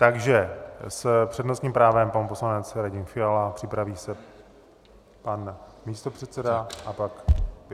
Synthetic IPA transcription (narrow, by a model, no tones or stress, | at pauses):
t̪aɡʒɛspr̥ɛdno̞st̪ɲiːmpɾaːvɛmpanpo̞slanɛt͡sɾaɟɪnfɪalapr̝̥ɪpɾaviːsɛ | panmiːst̪o̞pr̝̥ɛt̪t͡sɛdaʔapak